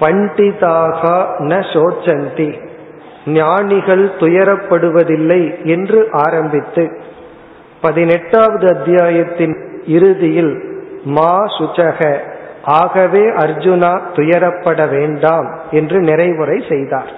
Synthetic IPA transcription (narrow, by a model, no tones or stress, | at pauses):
pɐɳɖɪðaːɣaːnɐsoːt͡ʃːɐnt̪i | njaːɳɪɣɐɭt̪ʊjɐɾɐpːɐɽɯʋɐðɪlːɐɪɛndrɯʔaːɾɐmbɪt̪ːɯ | pɐðɪnɛʈːaːʋɐðɯɐd̪ɪjaːjɐt̪ːɪnɪɾɯðɪjɪlmaːsʊt͡ʃɐɣɐʔaːɣɐʋeːʔɐɾd͡ʒʊnaːt̪ʊjɐɾɐpːɐɽɐʋeːɳɖaːmɛndrɯnɪrɐɪʋɯrɐɪsɛjðaːɾ